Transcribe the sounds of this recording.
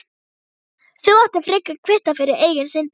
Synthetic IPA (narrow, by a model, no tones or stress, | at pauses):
θuaht̪afɾɪkakʰvɪht̪afɪːɾɪɾeːjɣɪnsɪn